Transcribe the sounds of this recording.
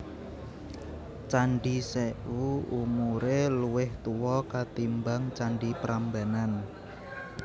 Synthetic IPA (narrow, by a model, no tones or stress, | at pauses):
t͡ʃaɳɖiseʔuumuɾeluwɪht̪uwɔkat̪imbaŋt͡ʃaɳɖipɾambanan